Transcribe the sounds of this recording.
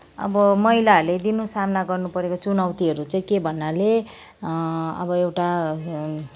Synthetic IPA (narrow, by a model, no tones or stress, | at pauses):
ʌ̰bʌmʌilarled̪inusamnaɡʌrnupʌɾekot͡sunawt̪iɦʌɾut͡saĩkebʱʌnːale | ʌ̰bʌewʈa